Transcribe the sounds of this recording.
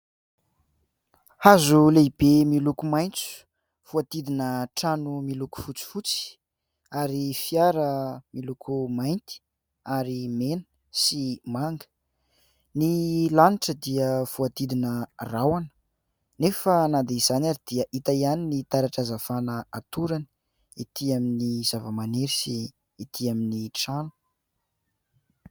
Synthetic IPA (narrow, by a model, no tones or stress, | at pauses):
hazuleib̥emilukumajnt͡su̥ | v̥uat̪id̪inəʈ͡ʂanumiluku̥fut͡si̥fut͡si̥ | aɾifiaɾəmilukʰumajnt̪i̥ | aɾimenə̥ | simaŋɡə̥ | nilaniʈ͡ʂəd̪iəv̥uad̪id̪inərawanə̥ | nefənad̪eiz̥anaɾid̪̥iəʔit̪aianinit̪aɾaʈ͡ʂazafanəat̪uɾani | it̪iaminiz̥avəmaneɾisiː | t̪ʰiaminiʈ͡ʂanu̥